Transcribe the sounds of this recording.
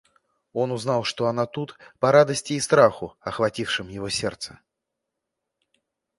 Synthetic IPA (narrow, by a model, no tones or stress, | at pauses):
o̞nʊznɑlˠʂt̪oɐnat̪ut̪pɐɾad̪əsʲtʲɪːst̪ɾaxʊɐxvɐtʲifʂɨmjɪvosʲɛrt̪sə̥